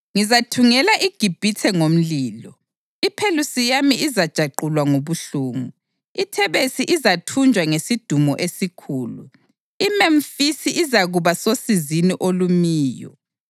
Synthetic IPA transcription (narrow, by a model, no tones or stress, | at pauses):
ŋizatʰuŋɛlaʔiɡ̥ʱib̥ʱitʰɛŋom̩liːlɔ | ipʰelusijamiʔizad̥ʒ̥ʱaǃulwaŋoβuɬuːŋu | itʰɛβesiʔizatʰund͡ʒʱwaŋesid̥ʱumɔʔesikʰuːlṵ | imeɱfisiʔizaɣuβasosiziniʔolumiːjɔ̰